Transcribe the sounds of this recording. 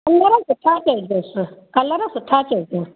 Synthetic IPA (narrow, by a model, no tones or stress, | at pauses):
kɐlːɐɾɐsutaːkʲeɡesukɐlːɐɾɐsutʰaːkʲeɡesu